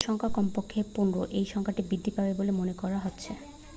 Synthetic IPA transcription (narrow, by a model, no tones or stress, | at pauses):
ʃɔŋkʰakɔmpokʰːepunɾo̰ʔejʃɔŋkʰaʈibid̪ʱːipabebolemonekɔɾaɦotːɕʰe